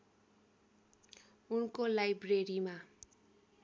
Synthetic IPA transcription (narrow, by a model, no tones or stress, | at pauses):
unkolajbreɾima